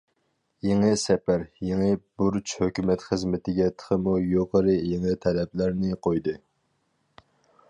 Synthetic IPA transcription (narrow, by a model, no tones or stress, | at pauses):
jeŋɨsɛpæɾjeŋɨbuɾt͡ʃhøkʲymɛt̪χəzmɪt̪ʰɪɡʲɛt̪ʰə̥qʰəmujoqəɾɨjeŋɨt̪ʰɛlɛplæɾnɪqʰojd̪ɨ